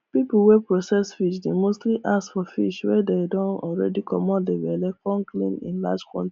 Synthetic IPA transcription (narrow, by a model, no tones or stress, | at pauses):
pipuwɛpɹosɛsfiʃdemostliʔasfɔfiʃwɛdedɔ̃nɔ̰lɹɛ̰dikʰɔmɔdewɛlɛkɔ̃nklḭ̃nḭ̃nlad͡ʒkɔ̰̃nti̥